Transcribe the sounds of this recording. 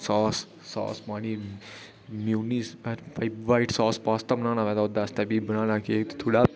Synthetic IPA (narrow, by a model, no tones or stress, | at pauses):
sɔːsː | ɔ̰ːspãːniː | mjuːnispaiʋaːiʈsɔːspaːst̪abənaːnaːʋɛːd̪aʊd̪aːst̪ɛbibəñãːnaːkieːkt̪t̪ʰoːɽaː